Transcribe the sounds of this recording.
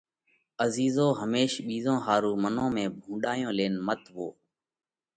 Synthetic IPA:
əziːzoːɦəmeːʃɓiːzõːɦaːɾuːmənõːmẽːbʱũːɗaːjõːleːnmət̪ʋo̰ː

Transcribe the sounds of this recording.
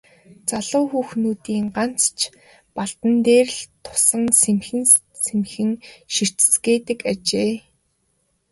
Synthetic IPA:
t͡saɮʊːxuːxnuːt̪iːŋɢan̥t͡st͡ɕʰ | paɮt̪ə̆nt̪eːrɮt̪ʰʊ̥sə̆ŋsemxɘ̆n | semxɘ̆ŋʃir̥t͡ɕ̆sɡeːt̪ɘ̆kat͡ɕeː

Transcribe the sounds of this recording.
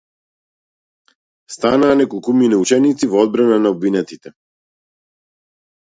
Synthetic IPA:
st̪anaːnɛkɔlˠkuminɛut͡ʃɛnit̪sivɔɔd̪̚bɾananaɔbvinɛt̪it̪ɛ

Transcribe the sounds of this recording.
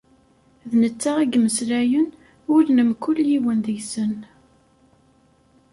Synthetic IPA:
ðnət͡sːaʁæɡməsɾæjən | ʊɾnəmkʊljiwənðəʝsən

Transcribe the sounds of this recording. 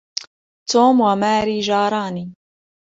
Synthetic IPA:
t̪uːmwamaːɾiːʒɑːɾˤɑːniː

